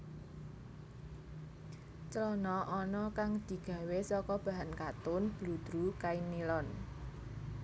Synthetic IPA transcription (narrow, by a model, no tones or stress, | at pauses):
t͡ʃəlɔnɔʔɔnɔkaŋd̪̥i̤ɡ̥ä̤wesɔkɔb̥ä̤ɦankat̪ʊnb̥lṳd̪̥ɾukainilɔn